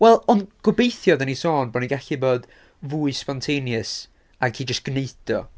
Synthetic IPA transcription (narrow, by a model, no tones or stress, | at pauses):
wɛlˠɔnɡ̥ʊbeɨθjɔðanisoːnbɔniɡaɬiboːd | vuːɨspɔntʰenjɨs | aɡʰiːd͡ʒəstɡ̥neɨdɔ